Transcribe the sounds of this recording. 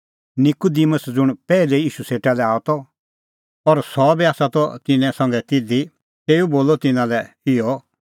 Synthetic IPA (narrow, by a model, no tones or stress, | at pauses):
nɪkʊd̪iməsd͡zʊɽ̃pɛːlɛiːʃuseːʈalɛaːɔt̪ɔ | ɔɾsɔbiaːsat̪ɔt̪ɪnɛ̃sɐ̃ŋɡɛt̪ɪd̪i | t̪eːuboːlɔt̪ɪnãlɛ | ɪɔ